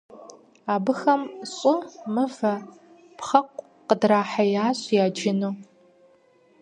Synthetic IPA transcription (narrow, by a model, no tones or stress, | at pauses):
aːbɨxɐmɕʼʊmɨvɐ | pχɐqʷʼ | qədraːħajaːɕʼjaːd͡ʒɪnuː